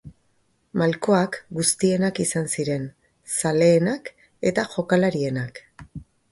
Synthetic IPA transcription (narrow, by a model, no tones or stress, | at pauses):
malko̞akɡust̪ie̞nakisansiɾe̞n | sale̞ːnak | e̞t̪aʝo̞kalaɾie̞nak